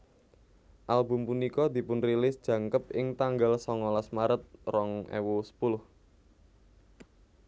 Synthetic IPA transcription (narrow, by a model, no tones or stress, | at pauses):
ʔalbʊ̤mpunikɔd̪̥i̤pʊnrilɪsd̥ʒ̥ä̤ŋkəp̚ɪŋt̪aŋɡalsɔŋɔlasmaɾət̪̚rɔŋʔɛ̰wusə̥pulʊh